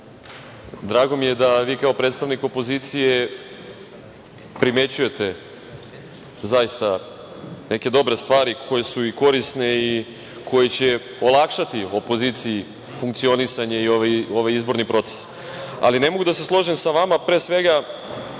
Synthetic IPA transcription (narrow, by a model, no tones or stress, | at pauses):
d̪ɾaːɡo̞mije̞d̪aʋiːkao̞pɾet̪st̪aʋniko̞po̞ziːt̪sije̞ | pɾime̞t͡ɕuje̞t̪e̞ | zajist̪a | ne̞ke̞d̪o̞bɾe̞st̪ʋaːɾikʰo̞je̞suiko̞ɾisne̞i | kʰo̞jet͡ɕe̞ | o̞lˠakʃat̪io̞po̞ziːt̪sii | fuŋkt̪sio̞nisaɲe̞ioʋo̞ʋajizbo̞ɾnipɾo̞t̪se̥s | a̰line̞mo̞ɡud̪ase̞slˠo̞ʒemsaʋamapɾeːsʋe̞ɡa